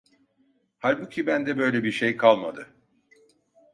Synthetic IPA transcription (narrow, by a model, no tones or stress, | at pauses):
halʲbucʰʲibænd̪ɛbø̞jlʲebiɾʃejkʰalˠma̰d̪ɯ